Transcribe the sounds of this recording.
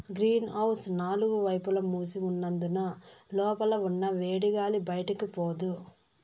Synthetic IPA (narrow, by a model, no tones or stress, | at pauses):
ɡɾiːnɐwsnaːluɡuʋɐjpulɐmuːsiunːɐnd̪unɐlɔːpɐlɐunːɐʋeːɽiɡaːlibɐjɐʈɐkipoːd̪u